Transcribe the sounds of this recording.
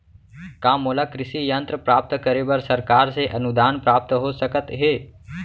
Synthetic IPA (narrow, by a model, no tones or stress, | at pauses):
kãmolakɾɪsijənt̪ɾəpɾaːp̚t̪kəɾebəɾsəɾkaɾseʔənud̪aːnpɾaːp̚t̪əɦosəkət̪ɦe